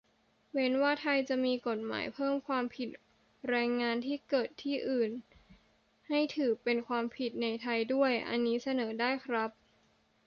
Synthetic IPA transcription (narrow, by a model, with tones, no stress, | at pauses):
we˦˥nwaː˥˩t̪ʰa˧jt͡ɕa˨˩miː˧ko˨˩t̪̚ma̰ː˩˦jpʰɤː˥˩mkʰwaː˧mpʰi˨˩t̪̚ | ɾɛː˧ŋːaː˧nt̪ʰiː˥˩kɤː˨˩t̪ʰːiː˥˩ʔɯː˨˩n | ha˥˩jt̪ʰɯː˩˦pe˧nkʰwaː˧mpʰi˨˩t̪̚na˧jt̪ʰa˧jdu˥˩əjʔa̰˧nːiː˦˥sa˧nɤː˩˦daː˥˩jkʰɾa˦˥p̚